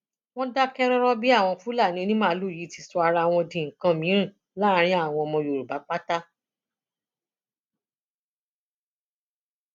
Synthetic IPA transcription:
w̃ɔ̃˦da˦kɛ˦ɾɔ̃˦ɾɔ˦bi˦a˦˨w̃ɔ̃˧fu˦la˦˨nĩ˨˦o˧nĩ˦mãː˦lu˦˨ji˨˦ti˧sɔ˧a˧ɾa˧w̃ɔ̃˧dĩ˨ŋ̩˨kã˧mĩ˨˦ɾ̃ĩ˦˨ | la˦ɾ̃ĩ˦a˦˨w̃ɔ̃˧mɔ̃˧jo˨ɾu˨ba˨˦k͡pa˦ta˦

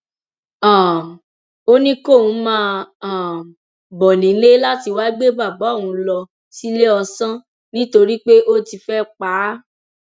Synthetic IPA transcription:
ã˨ | o˦nĩ˦ko˦˨ũ˨˦mãː˦a˨ | bɔ˨nĩ˨˦le˦la˦ti˧wa˦ɡ͡be˦ba˦˨bã˨˦˨ũ˧lɔ˧ | si˦le˦ɔ˧sã˦ | nĩ˦to˧ɾi˦k͡pe˦ʔo˦ti˧fɛ˦k͡paː˨˦

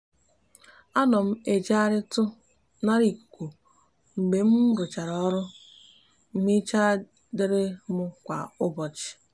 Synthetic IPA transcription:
a˦nɔ˨m̩˦e˨d͡ʒa˦ɾɪ˦tʊ˦ | na˦ɾi˨kʷu˨ | ŋ͡m̩˨ɡ͡be˨m̩˦ɾʊ˨t͡ʃa˨ɾɔ˦ɾʊ˦ | m̩˦mi˦t͡ʃa˦ | dɪ˦ɾɪ˦mʊ˦kʷa̰˨ʊ˦bɔ˨t͡ʃɪ̥˨

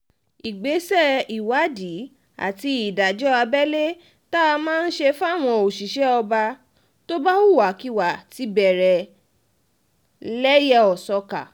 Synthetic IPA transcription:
i˨ɡ͡be˨˦sɛ˦˨i˨wa˨˦di˨˦ | a̰˦˨ti˧i˨da˨d͡ʒɔ˦a˧bɛ˦le˦ | ta˦˧mãː˦˧n̩˦ʃe˧fa˦˨w̃ɔ̃˧o˨ʃi˨˦ʃɛ˨˦ɔ˧ba˧ | to˦ba˦u˦˨wa˨˦ki˦wa˨ti˨˦bɛ˨ɾɛ˨ | lɛ˦jɛ˦ɔ˨sɔ˧ka˨

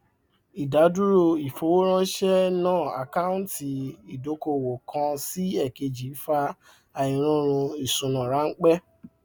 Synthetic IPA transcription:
i˨da˨˦du˦ɾo˧i˨fo˨˦wo˦ɾ̃ã˦ʃɛ˦nãː˦˨a̰˨ka˦ũ˦nti˨i˨do˨˦ko˧˨wo˨kʰã˧si˦ɛ˦˨ke˧d͡ʒi˨˦fa˧ | a˨ĩ˨ɾ̃ũ˦ɾ̃ũ˧i˨sũ˨˧nã˨ɾa˨˦ŋ̩˦k͡pɛ˦

